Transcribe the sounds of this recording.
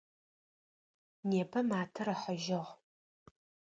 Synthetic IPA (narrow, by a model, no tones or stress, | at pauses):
neːpʰɐmaːtʰɨɾɐħɐʒɪʁ